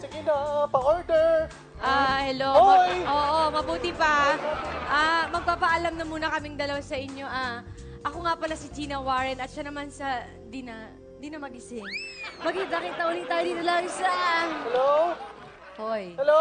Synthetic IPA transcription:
sɪɡɪnɐpɐʔoɹd̪ɛɾ | ʔahɛloojʔoːʔomɐbuːt̪ipɐ | ʔamɐɡ̚paːpɐʔɐlamnɐmuːnɐkɐmɪŋd̪ɐlɐwasɐʔɪɲjo̞ʔa | ʔɐkoŋapɐlasɪd͡ʒiːnɐwaɹɛnɐt̪̚ʃanɐmansɐ | d̪inɐ | d̪inɐmɐɡɪsɪŋmɐɡid̪akɪt̪ːɐʔʊliŋt̪aːjod̪iːt̪olɐŋʃɐhɛlo | hojhɛlo

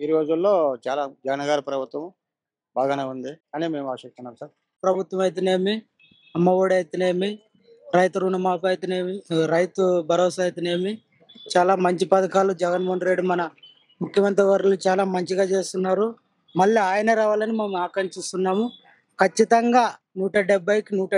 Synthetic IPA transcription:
iɾiɾoːd͡ʒulːo̞ːt͡ʃaːlaːd͡ʒɐɡɐnɐɡaːɾɐpɾɐbʱut̪ʋɐm | baːɡaːneːund̪ikaːniːme̞ːmaːʃɐk̚t̪unːaːmsaːɾ | pɾɐbʱut̪ʋɐmɐjt̪̬ene̞ːmi | ɐmːɐʋoːɽɐjt̪ine̞ːmi | ɾɐjt̪uɾuːnɐmaːp̬ɐjt̪ineːmiɾɐjt̪ubʱɐɾoːsaːjt̪ine̞ːmi | t͡ʃaːlaːmɐɲt͡ʃipɐd̪ɐkaːlud͡ʒɛɡɐnmoɦɐnɖɾe̞ɖimɐnɐ | mukʰjɐmɐnt̪ɾiʋɐɾulut͡ʃaːlaːmɐɲt͡ʃiɡaːt͡ʃe̞ːst̪unːaːɾu | mɐɭːiaːjɐnɐɾaːʋaːlɐnimemuaːkɐɳt͡ʃist̪unːaːmu | kɐt͡ʃːit̪ɐŋɡaː | nuːʈɐɖɛbːɐjkinuːʈɐ

